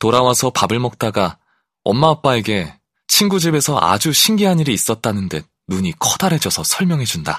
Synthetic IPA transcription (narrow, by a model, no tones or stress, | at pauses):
toɾawasʰʌpabɯɭmʌk̚t͈aɡa | ʌ̰mmaːp͈ae̞ɡe̞ | t͡ɕʰinɡud͡ʑibe̞sʰʌʔa̰d͡ʑuɕʰiŋɡiɦaɲiɾiːs͈ʌt̚t͈anɯnde̞ | nuɲikʰʌd̥aɾɦe̞d͡ʑʌsʰʌsʰʌɭmjʌŋɦe̞d͡ʑunda